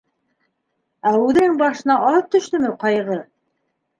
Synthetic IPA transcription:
æʉðɘŋbɑʃɤ̆nɑɑlˠɤp̚t̪ɵ̆ʃt̪ɵmɘqɑjʁɤ

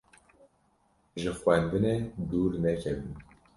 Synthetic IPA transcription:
ʒɨxʷɛnd̪ɨned̪uːɾnɛkʰɛbɨn

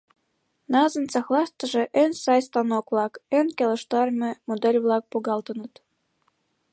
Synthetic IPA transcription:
nɑzɤ̆nt͡sɑxlˠɑst̪ɤ̆ʒĕʔønsɑjst̪ɑnokβlˠɑkønkʲelə̆ʃt̪ɑrmʲĕmod̪elʲβlˠɑk̚puɣɑlt̪ɤ̆nɤ̆t̪

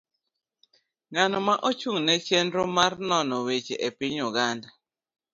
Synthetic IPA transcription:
ŋanɔmaʔot͡ʃuŋnɛt͡ʃɛndɾomarnɔnɔwet͡ʃeʔepɪɲʊɡanda

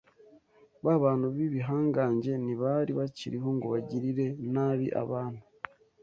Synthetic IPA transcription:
βaβaːn̤uβiβiɦaːŋɡaːɲɟe̞niβaɾiβaciɾiɦoŋɡoβaɟiɾiɾe̞naβḭʔa̰βaːn̤̥u

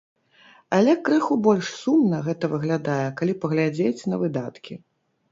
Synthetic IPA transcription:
alʲɛkɾɨxubɔlʲʂsumnɐɣɛt̪ɐvɨɣlʲad̪ajɛkalʲipɐɣlʲad͡zʲet͡sʲnɐvɨd̪at̪kʲi

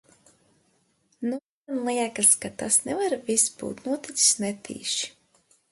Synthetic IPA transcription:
nu | ɛnlˠiɛkaskat̪asnɛvaɾvisbṵːt̪nuɔt̪issnɛt̪ʰḭːʃi̥

